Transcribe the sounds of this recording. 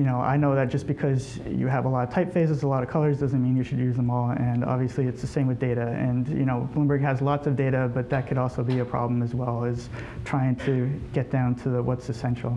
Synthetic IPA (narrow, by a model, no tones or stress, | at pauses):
jɨnoʊʔa̰ɪnoʊðɨt̚d̥ʒ̥ʌsb̥ɨkʰʌz | jɨ̰əvəlɔɾʌv̥tʰaɪpfeɪzɨzəlɔɾʌ̥kʰʌlˠə˞zdʌzɨ̃nmĩnjɨʃɨdjʉzðə̃mɔlˠɨ̃nɑ̰bviɨsliɨtsðɨsẽɪ̃mwɨðdeɪɾɨɨ̃njɨ̰ñoʊblɪ̃mbə˞ɡ̚ɨzlɔtsʌvdeɪɾɨbʌt̪̚ðɨt̚kʰɨɾɔlˠsoʊbiɨpʰɹ̥ɑ̰blə̃m̩ɨzwɛlˠɪz̥ | tʰɹ̥aɪɪ̃ŋtʰɨɡ̥ɛt̚d̥ãʊ̃ntʰɨðəwʔʌtsɨsɛ̃nʃl̩ˠ